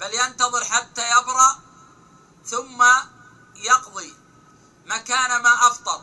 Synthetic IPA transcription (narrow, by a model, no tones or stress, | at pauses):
b̥aljant̪ɑðˤɨɾħat̪ːaːjabɾɑʔ | θʊmːa | jɑqðˤi | makaːnamaːʔɑft̪ˤɑl